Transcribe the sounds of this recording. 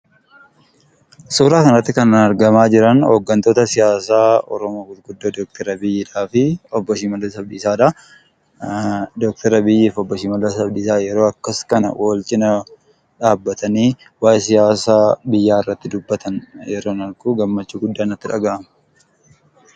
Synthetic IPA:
suːɾaːkɐnɐt̪ːɪkɐnɐnɐɾɡɐmaːd͡ʒɪɾɐnhoːɡːɐnt̪o̞ːt̪ɐsɪjaːsaːɔ̰ɾɔmoːɡʊt̪ɡʊd̪ːoːd̪oːk̚t̪ʰɛɾɐbɪjːɪᶑaːfɪɔbːɔʃɪmɐlɐsɐbd̪iːsaːᶑɐ | d̪ok̚t̪ʰɛɾɐbɪjːeːfɔbːɔʃɪmɐlːɐsɐbd̪iːsaːjɛɾo̞ːɐkːɐskɐnɐ̰wʔoːlt͡ʃʼɪnɐ | ᶑaːbːɐt̪ɐniː | waːjesɪjaːsaːbɪjːaːɪrːɐt̪ːɪd̪ʊbːɐt̪ʰɐnjɛɾoːnɐɾɡuːɡɐmːɐt͡ʃːuːɡʊd̪ːaːnɐt̪ːɪᶑɐɡaːʔɐmɐ̥

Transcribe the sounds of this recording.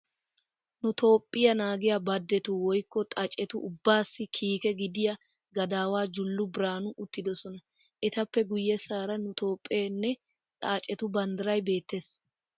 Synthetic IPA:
nʊt̪o̞ːpʼːɪjɐnaːɡɪjabɐd̪ːɛt̪ʊwɔjkːɔt̪ʼɐt͡ʃʼɛt̪ʊʊbːaːsːɪkʰiːkɛɡɪd̪ɪjɐ | ɡɐd̪aːwaːd͡ʒʊlːʊbɪɾaːnʊʔʊt̪ːɪd̪ɔsɔnɐ | ʔɛt̪ɐpːɛɡʊjːɛsaːɾɐnʊt̪o̞ːpʼːeːnːɛ | ᶑ̪ʼaːt͡ʃʼɛt̪ʊbɐnd̪ɪɾɐjbe̞ːt̪ːe̞ːs

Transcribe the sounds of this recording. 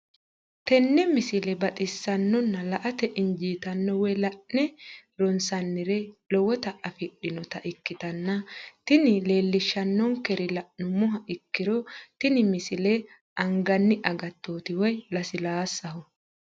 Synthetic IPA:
t̪ɛnːɛmɪsɪlɛbɐt̪ʼɪsːɐnːɔnːɐlɐʔɐt̪ɛʔɪɲd͡ʒiːt̪ɐnːɔwɛjlɐʔnɛɾɔnsɐnːɪɾɛlɔwɔt̪ɐʔɐfɪɗːɪnɔt̪ɐʔɪkːɪt̪ɐnːɐt̪ɪnɪle̞ːlːɪʃːɐnːɔŋkɛɾɪlɐʔnʊmʊɦɐʔɪkːɪɾɔt̪ɪnɪmɪsɪlɛ | ʔɐŋɡɐnːɪʔɐɡɐt̪ːoːt̪ɪwɔjlɐsɪlaːsɐhʊ

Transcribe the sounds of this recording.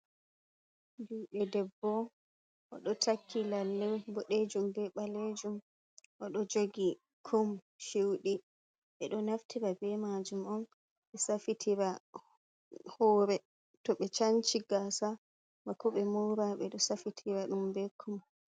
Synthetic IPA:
duɓɛdɛbːɔ | ʔɔɗɔtʰakʰːilalːɛbɔɗed͡ʒumbɛɓaled͡ʒum | ʔɔɗɔd͡ʒoɡi | kʰom | ʃiwɗi | ɓɛɗɔnaftiɾabɛmad͡ʒumɔm | ɓɛsafitʰiɾa | hɔːɾɛ | tɔɓɛt͡ʃant͡ʃiɡasa | makɔɓɛmɔwɾaɓɛɗɔsafitʰiɾaɗumbɛkʰːum

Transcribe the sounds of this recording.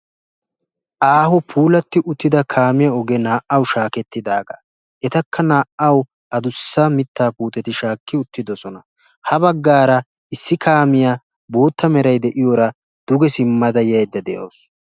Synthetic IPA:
ʔaːhɔpʰuːlɐt̪ːɪʔʊt̪ːɪd̪ɐkʰaːmɪjɐɔɡɛnaːʔɐwʃaːkɛt̪ːɪd̪aːɡa̰ː | ʔɛt̪ɐkʰːɐnaːʔɐw | ɐd̪ʊsːamɪt̪ːaːpuːt̪ʼɛt̪ɪʃaːkːɪʊt̪ːɪd̪ɔsɔnɐ | hɐbɐɡːaːɾɐ | ɪsːɪkaːmɪja | bo̞ːt̪ːɐmɛɾɐjd̪ɛʔɪjoːɾɐ | d̪̥ʊɡɛsɪmːɐd̪ɐjɐjd̪ːɐd̪ɛjo̰ːs

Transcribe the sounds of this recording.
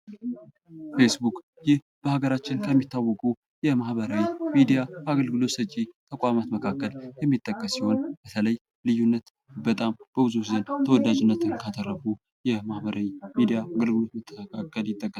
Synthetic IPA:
fe̞sbukʼ | jɪh | b̥əhaɡəɾat͡ʃːɪnkʰəmːit̪ʰːawːɔkʼu | jɛmahbəɾawimid̪ijaaɡəlɡɨlo̞t̪sət͡ʃʼːit̪ʰəkʼamat̪məkʰakːəljɛmːit̪ʼːəkʼːəsːiho̞nb̥ət̪ʰələj | lɨjunːət̪ | bət̪ʼamb̥əbɨzut̪zənt̪ʰəwɔd̪ad͡ʒɪnːət̪ɨnkʰat̪əɾːəfu | jɛmahbəɾawimid̪ijaaɡəlɡɨlo̞t̪mət̪ʰːəkʰakːəljɪt̪ʼːəkʼːəs

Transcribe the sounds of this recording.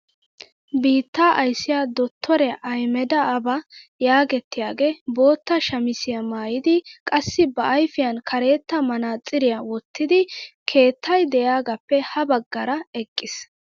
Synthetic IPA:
biːt̪ːaːʔɐjsɪjaːd̪ɔt̪ʰːɔɾɛʔɐjmɛd̪ɐːbɐjaːɡɛt̪ːɪjaːɡe̞ːbo̞ːt̪ːɐʃɐmɪsɪjɐmaːjɪd̪ɪkʼɐsːɪbɐʔɐjfɪjɐnkʰɐɾe̞ːt̪ːɐmɐnaːt͡sʼːɪɾɪjɐwɔt̪ːɪd̪ɪkʰe̞ːt̪ʰːɐjd̪ɛjaːɡɐpːɛhɐbɐɡːɐɾɐɛkʼːɪs

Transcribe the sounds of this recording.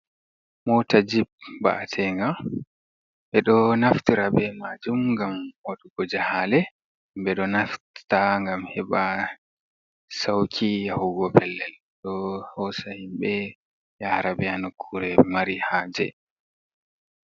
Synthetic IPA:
mɔtad͡ʒib̚ba̰ʔːtʰɛŋɡa | ɓɛɗɔnaftiɾabɛmad͡ʒumŋɡamwaɗuɡɔd͡ʒahalɛ | mbɛɗɔnafttaŋɡamhɛɓa | sawkʰijahuɡɔpʰɛlːɛl | ɗɔhɔsahimɓɛ | jahɾabɛanokʰːuɾɛmaɾihaːd͡ʒɛ̰

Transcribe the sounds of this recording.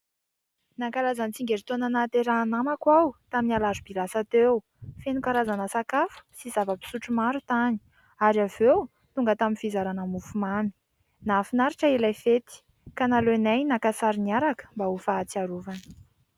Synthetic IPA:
nakaɾazant͡siŋɡeɾit̪onanat̪eɾaːnamakwawt̪aminalazubilasat̪ew | fenukaɾazanəsakafu̥sizavəpi̥suʈ͡ʂumaɾut̪ani̥ | aɾiavew | t̪uŋɡət̪aminfizaɾanamufumami̥ | nafinaɾiʈ͡ʂəelajfet̪i̥ | kanalenajnakasaɾiniaɾakə̥mbaofaːt͡siaɾuvanə̥

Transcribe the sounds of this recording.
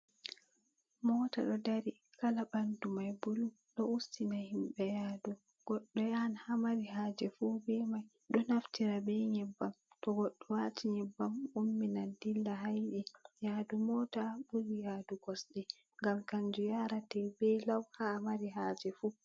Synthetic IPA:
mɔːta̰ɗɔdaɾi | kalabandumajbulu | ɗɔustinahimɓɛjaːdu | ɡ̥ɔɗːɔjanhamaɾiɦaːd͡ʒɛfubɛmaj | ɗɔnaftiɾabɛɲɛbːamtɔɡɔɗːɔwatʰiɲɛbːamumːinandilːaɦajɗijadumɔtabuɾijaːduɡɔsɗɛ | ŋɡamkaɲd͡ʒujaɾatɛbɛlawhamaɾiɦaːd͡ʒɛfu

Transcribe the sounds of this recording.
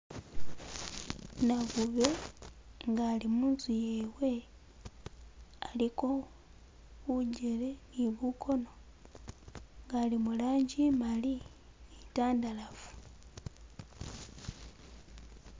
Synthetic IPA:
naβuβe̞ | ŋɡaːlimuːnsujewe̞ | aliko̞ | βuɟe̞leniβukʰo̞no̞ | ŋɡalimulaːɲɟimali | nitaːndalafu̥

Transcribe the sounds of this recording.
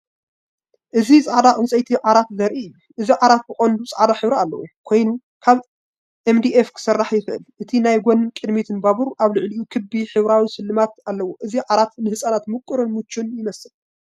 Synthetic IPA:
ʔɨzisʼaʕad̪aχʼɨnsʼɐjt̪ʰiʕaɾat̪zɐɾʔiɨjːuʔɨziʕaɾat̪̚bɨxʼond̪ut͡sʼaʕd̪aħɨβɾɐalːɐ̰wṵkʰo̞jnu | kʰaβ | ʔemd̪iʔefkʰɨ̥sɐrːaħjɪxɨʔɨ̰lʔɨt̪ʰinajɡʷonkʼɨd̪mit̪ʰɨnbaβuɾʔaβlɨʕliʔukʰɨbiħɨβɾawisɨlːɨmat̪alːɐwoʔɨziʕaɾat̪nɨhɨsʼanat̪mɨkʼːɨɾɨnmɨt͡ʃʰːunjɪmɐsɨl

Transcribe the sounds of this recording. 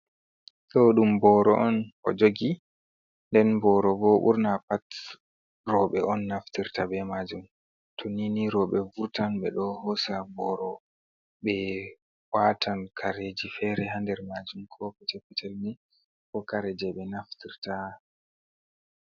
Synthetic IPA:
ɗɔɗumbɔɾɔʔɔnʔɔ̰d͡ʒoɡi | ndɛnbɔɾɔbɔɓṵɾnapat | rɔɓɛʔɔnːaftiɾtabɛmad͡ʒum | tʰɔniniɾɔɓɛvuɾtanɓɛ̰ɗɔhɔsabɔɾɔ | ɓɛ | watʰankʰaɾed͡ʒifɛɾɛɦandɛɾmad͡ʒumkʰɔkɛtɛpːɛtɛlni | kɔkaɾɛd͡ʒɛɓɛnaftiɾta

